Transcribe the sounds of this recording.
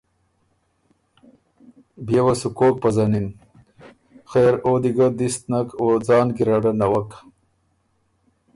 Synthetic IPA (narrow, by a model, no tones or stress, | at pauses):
bjewasukoːk̚pɐzanin | xeːɾod̪iɡad̪ist̪nakoːd͡zɑːnɡiɾaɖanawak